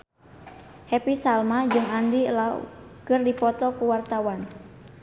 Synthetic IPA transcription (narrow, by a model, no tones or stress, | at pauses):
hɛpisalmad͡ʒɨŋandila̰kɨrdipɔt̪ɔkuwart̪awan